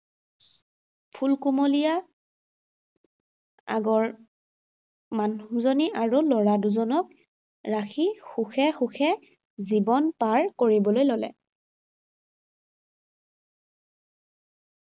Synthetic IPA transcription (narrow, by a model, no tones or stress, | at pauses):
pʰulkumolija | a̰ɡɔɹ | manzoniʔaɹulɔɹaduzɔnɔk̚ | ɹaxixuxʰɛxuxʰɛ | zibɔnpaɹkoɹibɔlojlolɛ̰